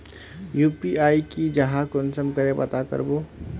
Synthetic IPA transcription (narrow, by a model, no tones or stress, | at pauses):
juːpiaːikid͡ʒəɦakonsəmkəɾepə̰t̪akə̰ɾbo